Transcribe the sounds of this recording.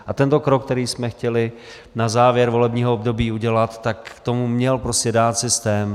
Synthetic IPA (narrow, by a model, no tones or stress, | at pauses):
ʔʔat̪ɛnt̪o̞kɾokːt̪ɛɾiːsmɛxcɛlɪ | nazaːvjɛɾvo̞lɛbɲiːɦoobdo̞biːuɟɛlat̪ːakt̪omumɲɛlpɾoscɛdaːt̪sɪst̪ɛːm